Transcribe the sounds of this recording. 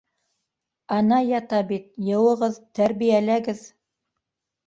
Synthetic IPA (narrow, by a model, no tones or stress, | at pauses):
ɑnɑjɑt̪ɑbit̪̚jɤ̆wɤ̆ʁɤðt̪æɾβijælæɡɘð